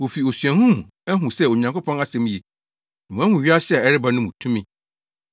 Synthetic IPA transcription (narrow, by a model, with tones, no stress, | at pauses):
wo˨fi˨o˨sɥɛ̃˨hʊ̃˦m˨ɛ˦ɦũ˨sɛ˦o˨ɲã˨ŋkʰo˦pʰɔ̃˦na˦sɛ̃˨m˦ji˨ | nã˨mũ˨˦a˦hũ˨ɥi˦a˦ɕɪ˦ɛ˨ɛ˦ɾɪ˦ba˦nʊ̃˦mũ˨tʰũ˦mĩ˦